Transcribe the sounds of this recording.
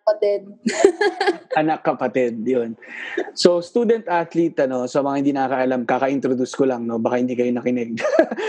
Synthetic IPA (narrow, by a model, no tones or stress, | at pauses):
pɐt̪ɛd̪̚ | ɐnɐkːɐpɐt̪ɪd̪̚jonso̞st̪uːd̪ɛnt̪ʔat̪lit̪ɐno̞sɐmɐŋahɪnd̪iːnɐkɐkɐʔɐlamkaːkɐʔɪnt̪ɾod̪uskolɐŋno̞bɐkahɪnd̪ikɐjonɐkɪnɛɡ̚